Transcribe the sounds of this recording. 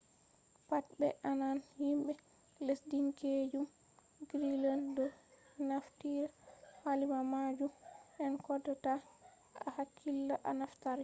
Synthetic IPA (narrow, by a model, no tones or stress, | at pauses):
pat̚bɛ̰ʔananhimɓɛ | lesdiŋked͡ʒum | ɡɾilandɔnaftiɾahalimamad͡ʒumʔɛnkɔdata | ahakʰːilːaʔanaftaɾ